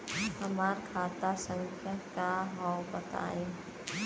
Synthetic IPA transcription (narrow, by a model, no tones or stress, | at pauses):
hɐmaːɾkʰaːt̪asə̃ŋkʰjakaɦɔwbət̪a̰ːẽː